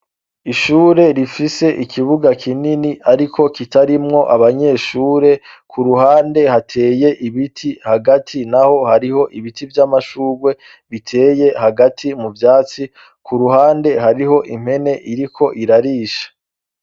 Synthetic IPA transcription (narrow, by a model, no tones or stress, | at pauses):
iʃuːɾe̞ɾifise̞ʔikʰiβuɡakʰininiʔaɾikʰo̞kitaɾimŋo̞ʔaβaɲe̞ːʃuːɾe̞kʰuɾuɦaːnde̞hatʰe̞ːje̞ʔiβitʰihaɡatʰinaho̞haɾiho̞ʔiβitivjamaʃuːɡwe̞ | βitʰe̞ːje̞haɡatʰimuvjaːt͡si | kʰuɾuɦaːnde̞ɦaɾiɦo̞ʔim̥he̞ne̞ʔiɾikʰo̞ʔiɾaɾiːʃḁ